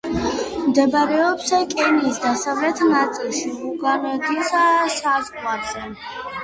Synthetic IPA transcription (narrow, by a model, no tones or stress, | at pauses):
md̪ɛbaɾɛɔpsakʼɛniːsd̪asavlɛt̪ʰnat̪sʼilˠʃiluɡamɛd̪isasazʁwazɛ